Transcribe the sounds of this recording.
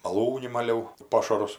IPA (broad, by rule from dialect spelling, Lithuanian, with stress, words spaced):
mɐˈlˠuːnʲɪ mɐˈlʲɛʊ ˈpoːʃɐrʊs